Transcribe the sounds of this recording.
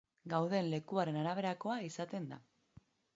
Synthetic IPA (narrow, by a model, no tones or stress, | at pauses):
ɡawðe̞nle̞kuaɾe̞naɾaβ̞e̞ɾako̞aisat̪e̞nd̪a̰